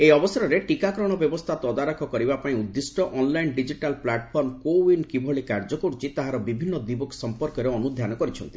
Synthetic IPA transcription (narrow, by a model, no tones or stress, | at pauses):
eɔbɔsaɾɔɾeʈikakɾɔɽ̃ɔbjɔbɔst̪ʰat̪ɔd̪aɾɔkʰɔkɔɾibapaĩud̪ːisʈɔʔɔnlajnɖid͡ʒiʈalplaʈɔpʰɔɾmkowinkibʱɔɭikaɾd͡ʒɔkuɾt͡ʃit̪aɦaɾɔbibʱinːɔd̪ibɔksɔmpɔɾkɔɾeɔnud̪ʱjanɔkɔɾit͡ʃʰɔnt̪i